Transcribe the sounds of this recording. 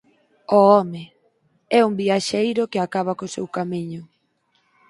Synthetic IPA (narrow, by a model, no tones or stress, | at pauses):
ɔɔmɪ | ɛumbiaʃejɾʊkeakaβakosḛwkamiɲʊ